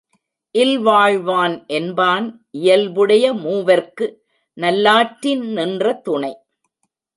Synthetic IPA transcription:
ʔɪlʋaːɻʋaːnʔɛnbaːn | ʔɪjɐlʋɯɽɐjɐmuːʋɐɾkɯ | nɐlːaːʈɾɪnnɪndrɐt̪ʊɳɐɪ

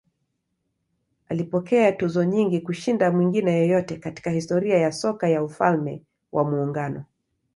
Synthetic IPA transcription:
alipɔkɛatuzɔɲiŋɡikuʃindamwiŋɡinɛjɔjɔtɛkati̥kahistɔɾiajasɔkajaufalmɛ | wʔamuːŋɡanɔ

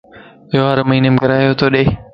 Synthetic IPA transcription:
ɪɦoaɾmɐɦiːnemkɐɾaːjot̪ʰoːɗeː

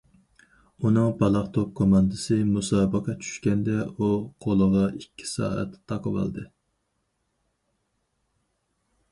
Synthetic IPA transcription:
unɨŋbɑlˠɑχt̪ʰop̚kʰomɑnd̪ɨsɨmusɑːbəqʰɑt͡ʃʰy̥ʃkʲɛnd̪ɛuqʰolˠəʁɑʔikʲʰːi̥sɑ̰ːɛ̰t̪ʰːɑqəvɑ̰lˠd̪ɨ

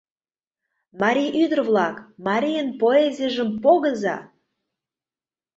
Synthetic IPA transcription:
mɑɾʲijʔyd̪ərvlˠɑkmɑɾʲijənpoezʲijəʒəmpoɣəzɑ̰

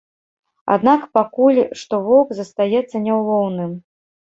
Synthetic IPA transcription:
a̰d̪nakpakulʲʂt̪ɔvɔkzɐst̪ajɛt̪sːɐnʲɛwlˠɔwnɨm

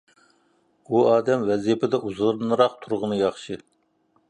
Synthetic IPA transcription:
buɑːd̪ɛmwɛzijpʰɪd̪ɛʔuzɨɾɨnɨɾɑq̚t̪ʰuɾʁənɨjɑχʃɨ

